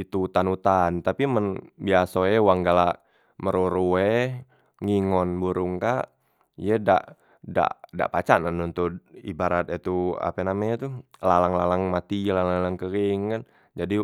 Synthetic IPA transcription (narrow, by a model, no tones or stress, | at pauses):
it̪ut̪anut̪ant̪apimənbiasoɛwaŋɡalaʔ | məɾoɾuɛh | ŋiŋɔnbuɾuŋkaʔ | ijɛda̰ʔ | da̰ʔda̰ʔpat͡ʃananunt̪uḭbaɾat̪it̪ua̰pɛnamɛɲt̪ulalaŋlalaŋmat̪ilalalaŋkəɾiŋkan | d͡ʒadi